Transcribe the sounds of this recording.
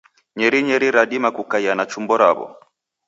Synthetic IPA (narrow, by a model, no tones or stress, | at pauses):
ɲɛɾiɲɛɾiɾaɗimakukaianat͡ʃumbɔɾa̰βɔ̰